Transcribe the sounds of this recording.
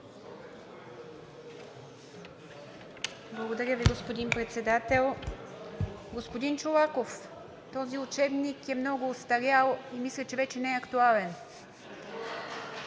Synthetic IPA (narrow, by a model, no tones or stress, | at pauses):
blˠɐɡod̪ɐɾʲjəviɡospod̪inpɾɛt̪sɛd̪at̪ɛlˠ | ɡospod̪int͡ʃolˠakof | t̪ɔziʊt͡ʃɛbnikɛmnɔɡʊːst̪ɐɾʲjalˠimislʲət͡ʃɛvɛt͡ʃɛnɛɛɐkt̪ualɛn